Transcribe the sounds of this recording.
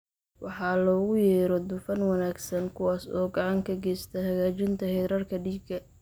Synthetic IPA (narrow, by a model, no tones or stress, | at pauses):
wʔɑħɑːlɔːɣʊjɛːɾɔd̪ʊfɐnwɑnaːɡsɐnkʰʊwɑːsɔ̰ːɡɑʕɑŋkʰɐɡɛːst̪ʰɐhɐɣaːt͡ʃɪnt̪ʰɐhɛɾɐrkʰɐɖiːɡɐ